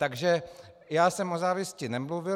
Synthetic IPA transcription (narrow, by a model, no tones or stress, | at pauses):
t̪aɡʒɛ | jaːsɛmʔozaːvɪscɪnɛmluvɪ